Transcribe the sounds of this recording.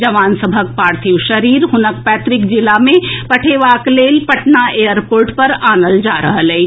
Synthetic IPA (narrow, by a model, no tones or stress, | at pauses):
d͡ʒɐʋaːnsəbʱək̚paːɾt̪ʰiwʃɐɾiːɾɦʊnəkpɛːt̪ɾɪkd͡ʒɪlamẽpɐʈʰeːʋaːkleːlpɐʈnaeːjəɾpoːɾʈpɐɾaːnəld͡ʒaːɾɐ̰ɦəlɛ